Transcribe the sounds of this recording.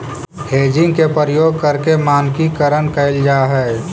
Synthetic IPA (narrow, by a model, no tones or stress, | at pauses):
heːd͡ʒɪ̃ŋɡkepəɾəjoːɡ̚kəɾkemaːnkikəɾənkəɪld͡ʒaːɦɛː